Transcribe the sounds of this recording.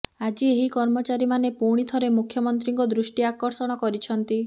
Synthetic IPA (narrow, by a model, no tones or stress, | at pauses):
ad͡ʒieɦikɔɾmɔt͡ʃaɾimanepuɽ̃it̪ʰɔɾemukʰjɔmɔnt̪ɾiŋkɔd̪ɾusʈiakɔɾsɔɽ̃ɔkɔɾit͡ʃʰɔnt̪i